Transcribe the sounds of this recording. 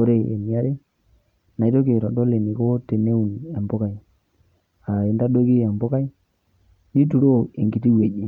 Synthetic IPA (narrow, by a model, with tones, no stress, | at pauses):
o˨˦ɾe˦ḛ˨ni˨a˦ɾe˦ | na˨i˦to˦ke˨ɾɔ˨do˦le˨ni˨ko˦te˨ne˦u˨nja˨mbʊ˦ka˨i˨ | a˨e˨nda˦do˦ki˦a˨mbo˦ka˦i˦ | ni˦tu˨ɾo˦e˨ŋɡi˨ti˦we˨d͡ʒi˦